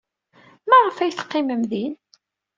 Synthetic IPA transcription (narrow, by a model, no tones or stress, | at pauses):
mæʁəfæjθə̥qːɪməmðin